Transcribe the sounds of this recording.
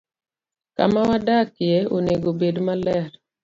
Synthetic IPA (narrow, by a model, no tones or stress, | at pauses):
ka̰mawadakɪjeoneɡobedmalɛɾ